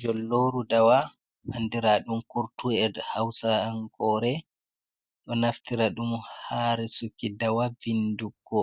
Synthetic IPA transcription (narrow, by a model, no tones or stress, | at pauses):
d͡ʒɔlːoɾudawa | andiɾaɗumkuɾtuɛdhawsaanɡɔːɾɛ | ɗɔnaftiɾaɗumhaːɾɛsukːidawavinduɡɔ